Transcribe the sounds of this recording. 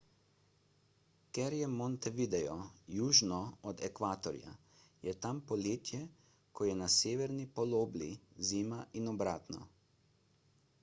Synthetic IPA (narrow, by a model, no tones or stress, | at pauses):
kɛɾjɛmɔnt̪ɛʋid̪ɛjɔjuːʒnɔɔd̪ɛkʋaːt̪ɔɾja̰ | jɛt̪ampɔleːt̪jɛ | kʰɔjɛnaseːʋɛɾnipɔloːblḭziːmaʔinɔbɾaːt̪nɔ̰